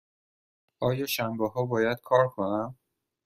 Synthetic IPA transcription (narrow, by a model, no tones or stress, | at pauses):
ʔɒːjɒːʃæmbeɦɒːbɒːjæd̪̥kʰɒːɾkʰonæm